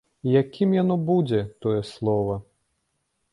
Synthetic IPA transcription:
jakʲʰimjanɔbud͡zʲɛt̪ɔjɛslˠɔvɐ

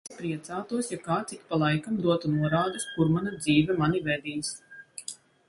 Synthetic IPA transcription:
pɾiɛt̪saːt̪uɔsjakaːt̪sik̪palˠajkamd̪uɔt̪unuɔɾaːd̪uskuɾmanad̪ziːvʲɛmanivɛd̪iːs

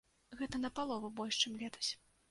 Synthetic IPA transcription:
ɣɛt̪ɐnɐpalˠɔvɐbɔlʲʂt͡ʂɨmlʲɛt̪ɐ̥sʲ

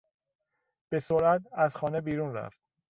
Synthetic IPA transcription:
b̥e̞soɾæt̪æzxɒːne̞biːɾunɾæ̰ft̪̚

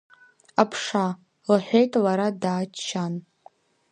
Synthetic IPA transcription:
apʰʂa | lħʷᶣejtʼlaɾadaːt͡ʃt͡ʃʰan

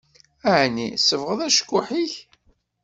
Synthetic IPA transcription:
æʕnḭsəvʁəðˤæʃə̥kʷːʊħiç

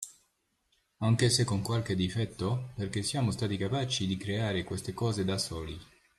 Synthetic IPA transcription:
aŋk̟esekːoŋkwalk̟ed̪ːifɛt̪ːoperk̟esːijaːmost̪aːt̪ikapaːt͡ʃid̪ikɾeaːɾekwest̪ekɔːzed̪asɔːli

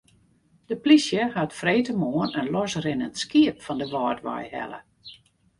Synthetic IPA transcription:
d̥əplisjəhatfreːtəmoənənlɔsrɪnəntskiəpfɔndəʋɔːtʋa̰jhɛ̰lə̰

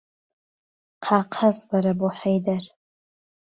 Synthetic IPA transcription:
qʰaqʰazbaɾabuħejdar

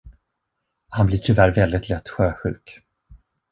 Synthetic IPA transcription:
hanblɪʈʰʏvæɾvɛld̪ɪt̪ʰlɛt̪ːɧøːɧʉ̟ːk

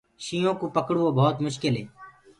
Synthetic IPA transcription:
ʃiːjõːkoːpəkɽuõːbʱɔːt̪mʊʃkɪlɦeː

